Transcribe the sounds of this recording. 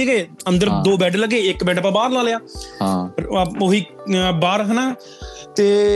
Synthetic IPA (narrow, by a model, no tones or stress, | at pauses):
eɡeːənd̪əɾd̪oːbɛːɖləɡːeːɪkbɛːɖəpãːbaːɾlaːlejaː | oɦiː | baːɾɦənaː | t̪eː